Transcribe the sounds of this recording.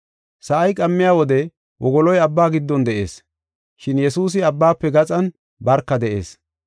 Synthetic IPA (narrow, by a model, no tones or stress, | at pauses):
sɐʔɐjkʼɐmːɪjaːwɔd̪ɛ | wʔɔɡɔlɔjɐbːaːɡɪd̪ːɔnd̪ɛʔe̞̰ːs | ʃɪnjɛsuːs̬ɪɐbːaːpːɛɡɐt͡sʼɐn | bɐɾkːɐd̪ɛʔḛːs